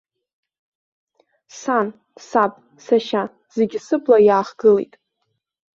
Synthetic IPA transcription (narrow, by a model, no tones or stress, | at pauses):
san | sapʼ | saʃa | z̥e̞ɡʲisɨbʰlajaːχɡɨlḛjtʼ